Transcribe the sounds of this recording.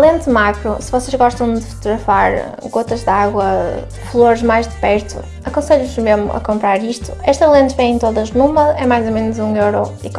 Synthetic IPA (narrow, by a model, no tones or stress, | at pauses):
lˠẽnt̪makɾusɨvɔseʒɣɔʃt̪ɐ̃w̃d̪ɨfu̥t̪uɣɾɐfaɾ | ɣot̪ɐʒðaɣwɐ | flˠoɾʒmajʒðɨpɛɾt̪ṵ | ɐkõseʎuʒmeʒmʊ̰ʔɐ̰kõmpɾaɾiʃt̪u̥ɛʃt̪ɐlˠẽnt̪vẽj̃ẽt̪oðɐʒnumɐɛmajzomenuzũewɾɔ | ḭk